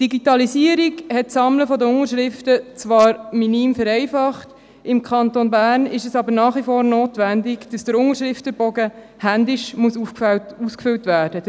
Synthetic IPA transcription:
d̥iɡitɑlisiːəɾiɡhɛtsɑmləfɔdəʊŋəɾʃɾɪftət͡sʋɑːɾminiːmfəɾɛɪfɑχt | ɪmkʰɑntonbæːrnɪʃɛsɑbəɾnɑːχʋifoːɾnoːtʋændɪɡd̥ɑsd̥əɾʊŋəɾʃɾɪftəbɔɡə | hændɪʃmuəsufkfæltuskfʏltʋæːd̥ə

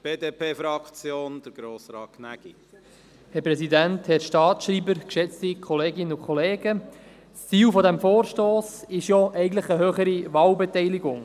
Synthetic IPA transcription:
b̥eːdepʰeːfɾɑkt͡sjoːnd̥̪əɾɡ̥ɾoːsɾɑːkʰnæɡ̥ḭ | hɛɾpɾɛsidænthɛɾʃtɑːtʃriːbəɾkʃɛt͡stikʰɔleːɡɪnəʊkʰχɔleːɡə | st͡siːlfɔdɛmfoːɾʃtoːsɪʃjɔʔɛɪɡntləχəɦøːχəɾiʋɑːlbɛtɛɪlɪɡʊŋ

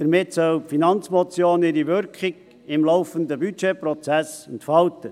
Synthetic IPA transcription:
d̥əɾmɪtsœlpfinɑnt͡smɔt͡sjoːnɪɾiʋʏɾkχɪɡ | ɪmlɔʊfənd̪əbyt͡ʃeprɔt͡sæsɛntfɑltə

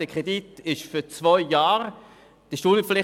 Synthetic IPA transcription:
d̥əkʰʁ̥editɪʃfyt͡svɔʏjaːʁ | d̥əʃtuːnəflɪ

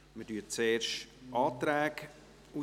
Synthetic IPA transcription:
mədyːt͡seːʃtʔɑːt̪ɾɛːɡ | u

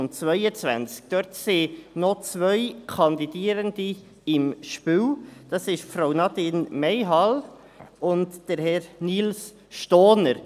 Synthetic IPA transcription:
nt͡svœʏət͡svæ̰nt͡sk̚d̥œɾtseːnot͡svœʏkʰɑnd̪idiːəɾəndi | ɪmʃpywd̥ɑsɪʃfɾaʊnɑtɪnmɛɪɦɑl | ʊntd̥əɾhɛɾniːls | ʃtoːnəɾ

